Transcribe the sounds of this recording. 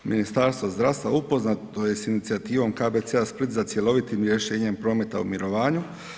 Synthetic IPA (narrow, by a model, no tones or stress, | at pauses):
minist̪aːɾst̪ʋozd̪ɾaːʋst̪ʋaupo̞znat̪o̞je̞sinit̪siat̪iːʋo̞mkaːbet̪seaspɾt̪ʲzat̪sje̞lo̞ʋit̪imɾje̞ʃe̞ːɲe̞mpɾo̞ːme̞t̪aṵmiɾo̞ʋaːɲu